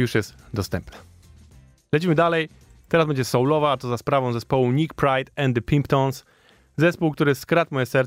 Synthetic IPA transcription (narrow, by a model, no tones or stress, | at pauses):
uʂjɛst̪d̪ɔst̪ɛmpnɛ̥ | lɛt͡ɕimɘd̪alɛj | t̪ɛɾazbɛɲd͡ʑɛsɔwlɔvaat̪ɔzaspɾavɔ̃w̃zɛspɔwuɲikpɾajt̪ɛnd̪ɘpʲimpt̪ɔ̃ns | zɛspuwkt̪uɾɘskɾat̪mɔjɛsɛɾ